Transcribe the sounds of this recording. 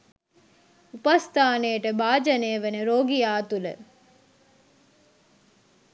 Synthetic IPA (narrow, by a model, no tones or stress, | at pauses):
upast̪ʰaːnejəʈəbaːd͡ʒɐneːʋenəɾoːɡijaːt̪ulə̰